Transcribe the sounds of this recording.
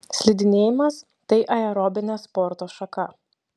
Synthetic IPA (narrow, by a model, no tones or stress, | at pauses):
sʲlʲɪd̪ʲɪnʲeːjɪmɐs | t̪ɐɪʔɐɛɾɔbʲɪnʲɛspɔɾt̪oːʃɐkɐ